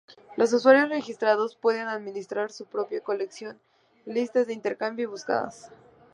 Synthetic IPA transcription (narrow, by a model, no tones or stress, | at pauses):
lo̞s̬uswaɾjo̞sre̞xist̪ɾaðo̞spwe̞ðe̞naðmĩnist̪ɾaɾsupɾo̞pjako̞le̞ksjo̞n | list̪azðeint̪eɾkambjoiβuska̰ða̰s